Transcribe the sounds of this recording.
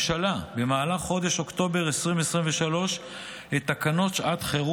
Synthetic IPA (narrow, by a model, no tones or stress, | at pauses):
ʃalabe̞maːlaχːo̞d̪e̞ʃo̞kt̪o̞be̞ʁesʁimvesʁimveʃalo̞ʃ | het̪akano̞tʃat̪χeʁu